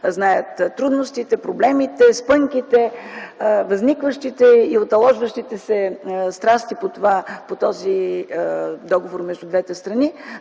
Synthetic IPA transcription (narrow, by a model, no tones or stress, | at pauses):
znajət̪t̪ːɾud̪nost̪it̪ɛpɾoblɛmit̪ɛspɤŋkit̪ɛ | vɐznikvəʃt̪it̪ɛiot̪ɐlˠɔʒvəʃt̪it̪ɛsɛst̪ɾast̪ipot̪ovapot̪ɔzi | d̪ɔɡovoɾmɛʒd̪ud̪vɛt̪ɛst̪ɾɐni